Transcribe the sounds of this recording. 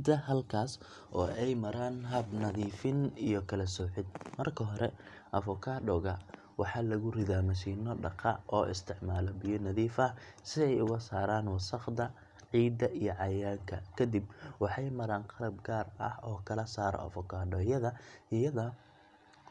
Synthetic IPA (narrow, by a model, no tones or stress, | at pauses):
d̪ɐhɐlkʰaːs | ʔɔːʔɛjmɐɾaːnɦɐbnɐðiːfɪnijɔkʰɐlɐsɔːħɪd̪̚mɐrkʰɐɦɔɾʔɛ̰ | ʔɐfɔkʰaːɖɔːɣɐ | wɑħɑːlɐɣʊrɪðaːmɐʃiːnɔɖɑqɑʔɔːʔɪ̰st̪ʰɪʕmaːlɔbɪjɔnɐðiːfɐsɪɛjʊɣɐsaːɾaːnwɑsɐqd̪ɐ | ʕiːd̪ɐʔijɔʕɑjaːŋkʰɐkʰɐd̪ɪbwɑħɑjmɐɾaːnqɑɾɐb̚ɡaːrɐ̰hɔːkʰɐlɐsaːɾɔ̰ʔɐ̰fɔkʰaːɖɔːjɐðɐɪjɐðɐ